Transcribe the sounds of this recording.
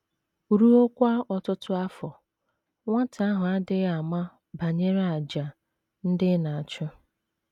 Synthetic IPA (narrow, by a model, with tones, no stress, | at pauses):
ɾu˦o˦kʷa˦ɔ˨tʊ˦tʊ˦a˦fɔ˨ | ŋʷa˦tʰa˨a˦ɦʊ˨a˦dɪ˦a˨ma˦ | ba˨ɲe˦ɾa˨d͡ʒa˨ | n̩˦dɪ˦na˨a˨t͡ʃʊ˦